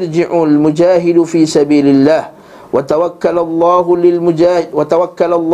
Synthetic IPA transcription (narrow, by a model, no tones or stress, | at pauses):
ɾd͡ʒɪʕʊlmʊd͡ʒaːɦɪd̪fiːsabiːlɪlːaːh | wat̪awakːalalˤːɑːhlɪmʊaːwat̪awakːalalˤː